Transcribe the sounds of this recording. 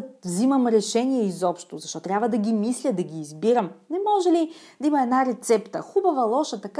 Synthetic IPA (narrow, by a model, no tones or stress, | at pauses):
vziməmɾɛʃɛniɛizɔpʃt̪ozɐʃt̪ɔt̪ɾʲabvəd̪ɐɡʲimislʲəd̪ɐɡʲiːzbiɾəmnɛmɔʒɛlid̪ɐimɐɛd̪naɾɛt̪sɛpt̪ə̰xubəvɐlˠɔʃət̪ɐk